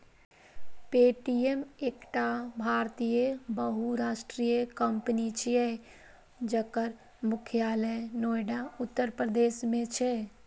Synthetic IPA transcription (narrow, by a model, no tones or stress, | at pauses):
peʈiemekʈabʱaɾt̪ijəbəɦuɾaʃʈɾijəkəmpnit͡ʃʰijɛ | d͡ʒəkəɾ | mʊkʰjaːlənojɖaut̪ːəɾpɾəd̪eːsmẽt͡ʃʰɛ